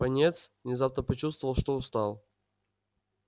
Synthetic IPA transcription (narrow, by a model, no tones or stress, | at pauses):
ɐnʲet̪svnʲɪzapnəpɐt͡ɕust̪vəvəlˠʂt̪oʊst̪alˠ